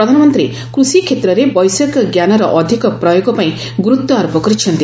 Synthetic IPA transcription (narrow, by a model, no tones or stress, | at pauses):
ɾɔd̪ʱanɔmɔnt̪ɾe | kɾusikʰet̪ɾɔɾebɔjsɔkɡjanɔɾɔʔɔd̪ʱikɔpɾɔjoɡɔpaĩ | ɡuɾut̪ːɔaɾɔpɔkɔɾit͡ʃʰɔnt̪i